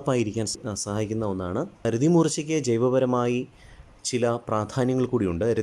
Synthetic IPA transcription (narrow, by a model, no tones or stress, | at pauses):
pːaːjiɾikʲːaːnssɐhaːjikʲːunːɐo̞nːa̰ːɳɨɐɾuðimuːrt͡ɕːɐkʲːed͡ʑejʋɐbɐɾɐmaːji | t͡ɕilɐpraːd̪ʱaːnjɐŋːɐɭkuːɽijuɳɖɨɐɾu